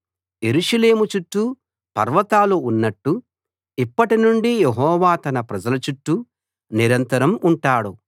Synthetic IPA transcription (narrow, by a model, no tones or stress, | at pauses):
je̞ɾuʂɐle̞ːmut͡ʃuʈːu | pɐɾʋɐt̪aːluːnːɐʈːu | ipːɐʈinuɳɖijeɦɔːʋaːt̪ɐnɐpɾɐd͡ʒɐlɐt͡ʃuʈːu | niɾɐnt̪ɐɾɐmuɳʈaːɽu